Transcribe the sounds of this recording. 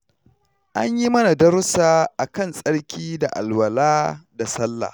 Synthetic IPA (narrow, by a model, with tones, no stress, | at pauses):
ʔa˦ɲji˦mɐ˦na˨dɐ˦ɾʊ˦saː˦ʔa˨kɐ˦˨nsʼɐ˦ɽkʲʰiː˦da˨ʔa̰˨lwɐ˨laː˦da˨sɐ˦lːa̰ː˨